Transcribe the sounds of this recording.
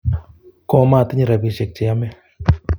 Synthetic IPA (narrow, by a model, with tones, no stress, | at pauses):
kɔ˦˨˦ma˦˨t̪ɪ˦ɲi˦˨ɾa˨bi˨ʃe˨k̚t͡ʃe˨ja˦mɛ˦